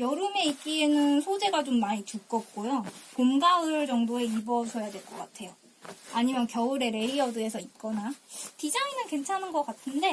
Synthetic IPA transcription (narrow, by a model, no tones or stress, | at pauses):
jʌɾɯme̞ik͈ienɯnsʰod͡ʑe̞ɡat͡ɕomːaɲit͡ɕuk͈ʌt̚k͈ojopomɡaɯɭd͡ʑʌŋdoe̞ibʌsʰʌjadwe̞ɭk͈ʌk͈atʰe̞jo | aɲimjʌnkjʌɯɾe̞ɾe̞ɾiʌdɯe̞sʰʌit̚k͈ʌnatid͡ʑaŋinɯnke̞nt͡ɕʰanɯnɡʌk͈atʰɯnde̞